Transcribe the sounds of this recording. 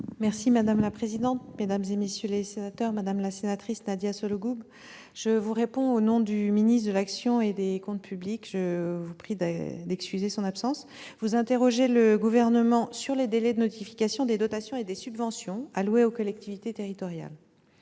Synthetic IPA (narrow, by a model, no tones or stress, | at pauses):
mɛʁsimad̪amlapχezid̪ɑ̃t̪̚med̪amzemesjølesenat̪œʁmad̪amlasenat̪χisnad̪jasɔloɡub | ʒ̥əvuʁepɔ̃onɔ̃d̪yminit̪d̪əlaksjɔ̃ed̪ekɔ̃t̪̚pʰyblikʒ̥əvupχid̪d̪ɛkskʲyzesɔ̃napsɑ̃s | vuzɛ̃t̪eʁɔʒeləɡuvɛʁnəmɑ̃syʁled̪elɛd̪ənɔt̪ifi̥kasjɔ̃d̪ed̪ɔt̪asjɔ̃ed̪esybvɑ̃sjɔ̃alweokɔlɛk̚t̪ivit̪et̪eʁit̪ɔʁja̰l